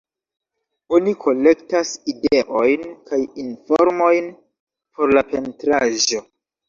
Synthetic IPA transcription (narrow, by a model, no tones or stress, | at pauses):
onikʰo̞le̞ktaside̞ʔo̞jnkajinfoɾmo̞jn | pʰo̞ɾlape̞ntɾaʒo̞